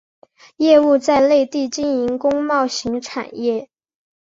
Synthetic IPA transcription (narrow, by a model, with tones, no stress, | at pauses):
jɛ˥˧u˥˧t͡sa˥˧ɪle˥˧ɪt̪i˥˧t͡ɕi˥˩ni˧˥ŋkʊ˥ŋmɑ˥˩ʊɕi˧˥ŋʈ͡ʂʰa̰˨˩njɛ˥˩